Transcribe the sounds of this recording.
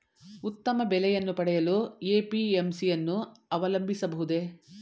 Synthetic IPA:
ut̪ːɐmɐbɛlɛjɐnːupɐɽɛjɐlueːpiemsijɐnːuɐʋɐlɐmbʱisɐbɐɦud̪e̞

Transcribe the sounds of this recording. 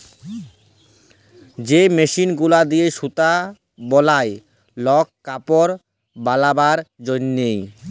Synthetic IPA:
d͡ʑemeʃinɡulad̪ijeʃut̪a | bɔlae | lɔkkːapoɾ | balabaɾd͡ʑonːej

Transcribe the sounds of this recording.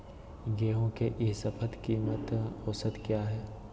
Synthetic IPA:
ɡeːɦõkeʔɪsɐpʰəd̪kiːmət̪oːsət̪kjaːɦɛː

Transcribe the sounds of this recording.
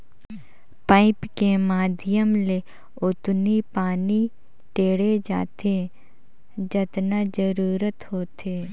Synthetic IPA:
paːɪpkemaːd̪ʱɪjəmle | ʊt̪nipaːni | ʈeːɽed͡ʒa̰ːt̪ʰe | d͡ʒət̪nad͡ʒəɾuːɾət̪ɦoːt̪ʰeː

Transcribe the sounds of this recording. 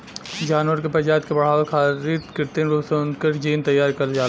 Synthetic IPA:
d͡ʒaːnʋəɾkepɾəd͡ʒaːd̪̚kebɐɽ̤aːʋəlkʰaːɾiːt̪kɪɾt̪enɾusonkəɾd͡ʒiːnt̪ɐjːaːɾkɐld͡ʒaː

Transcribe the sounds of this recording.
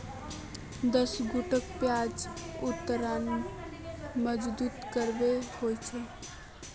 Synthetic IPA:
d̪əsɡuʈəkpjad͡ʒut̪ːəɾan | məd͡ʒbuːt̪kəɾbehojt͡ʃʰə

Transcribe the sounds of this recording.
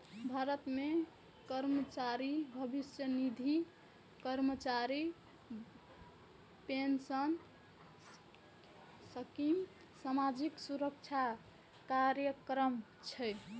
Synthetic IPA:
bʱaɾət̪me | kəɾmət͡ʃaɾibʱəbisjənid̪ʱi | kəɾmət͡ʃaɾi | pensən | səkim | samad͡ʒiksuɾək̚t͡ʃʰa | kaɾjəkɾəmt͡ʃʰɛ

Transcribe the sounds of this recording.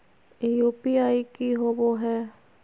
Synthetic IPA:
juːpiaːikiɦoboɦɛː

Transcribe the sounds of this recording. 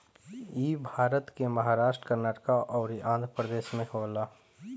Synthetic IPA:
iːbʱaːɾət̪keməɦaːɾaːʃʈɾə̥kəɾnaːʈəkaʔɔːɾiʔãːnd̪ʱɾəpɾəd̪eːʃmẽɦoːlaː

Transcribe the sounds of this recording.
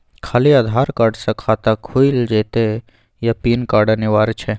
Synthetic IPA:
kʰaːliaːd̪ʱaːɾkaɾɖsɐ̃kʰaːt̪akʰuild͡ʒeːt̪e | japiːnkaːɖənɪʋaːɾt͡ʃʰe

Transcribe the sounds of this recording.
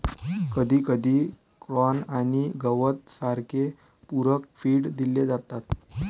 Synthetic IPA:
kəd̪ʱiːkəd̪ʱiː | kɾɔnaɽ̃iɡəʋət̪̚saɾkʰe | puɾəkfiːɽd̪iled͡zat̪at̪

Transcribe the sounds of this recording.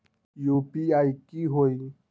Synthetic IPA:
jupiaikiɦoi

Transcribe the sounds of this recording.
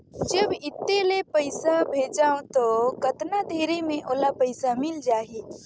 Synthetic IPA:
d͡ʒəbɪt̪ːelepəɪsabʱeːd͡ʒaːõt̪okət̪nad̪ʱeːɾemẽʔoːlapəɪsamɪld͡ʒaːɦi

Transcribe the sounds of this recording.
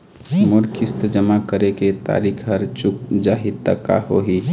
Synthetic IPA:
mʊɾkʰist̪əd͡ʒəmakəɾeket̪a̰ɾikʰɦəɾt͡ʃukd͡ʒaɦid̪t̪ːə̰ka̰hoɦi

